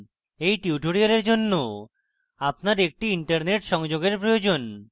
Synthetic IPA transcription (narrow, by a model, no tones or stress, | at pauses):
ejʈiuʈoɽialeɾd͡ʑonːo | ap̚naɾek̚ʈiiɳʈaɾneʈʃɔŋd͡ʑoɡeɾpɾojod͡ʑon